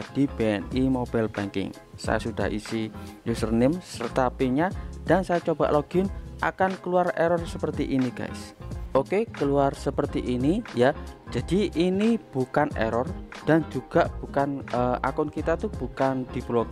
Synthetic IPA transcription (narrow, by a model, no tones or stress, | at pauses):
ad̥i̤b̥eɛnimob̥ɛlb̥aŋkɪ̰ŋ | sa̰jasud̥a̰ɦʔḭsijusərnɪmsərt̪apiɲad̥ansajat͡ʃoba̰ʔloɡ̥ɪnʔa̰kankəluarɛɾɔrsəpərt̪iʔiniɡ̥a̰ɪsokekəluarsəpərt̪iʔinijḁd͡ʒ̥ad̥iinib̥ukanɛ̰ɾɔrd̥and͡ʒuɡ̥aʔb̥ukanəʔa̰kʊnkit̪at̪ub̥ukand̥iblok